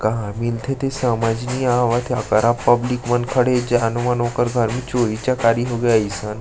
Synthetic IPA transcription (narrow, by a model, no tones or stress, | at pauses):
kɐɦãmilt̪ʰet̪ʰesamad͡ʒniaʋat̪ʰakəɾapəblikmənkʰəɽed͡ʒeanumənõkəɾɡʱəɾmĩt͡ʃoːɾit͡ʃakaːɾiɦoɡjaisən